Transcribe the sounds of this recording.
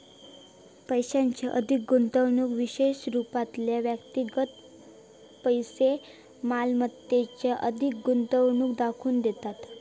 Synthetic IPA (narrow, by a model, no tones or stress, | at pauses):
pəjɕaɲt͡ɕjaʔəd̪ʱik̚ɡunt̪əʋɳuːkʋiɕeɕɾupat̪ljaʋjəkt̪iɡət̪ | pəjse | malmət̪ːet͡ɕjaʔəd̪ʱik̚ɡunt̪əʋɳuːkd̪akʰuːnd̪et̪at̪